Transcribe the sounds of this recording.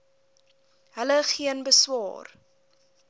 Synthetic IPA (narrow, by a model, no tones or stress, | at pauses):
ɦələχiənbəswɑ̰ːr